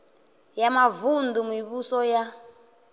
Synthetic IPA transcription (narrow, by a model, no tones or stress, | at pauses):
jamavund̪umiβusɔja